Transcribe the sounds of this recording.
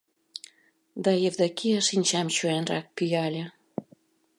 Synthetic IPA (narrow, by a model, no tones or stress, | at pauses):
d̪ɑjevd̪ɑkiəʃinʲt͡ɕɑmt͡ɕuænrɑk̚pyjɑlʲe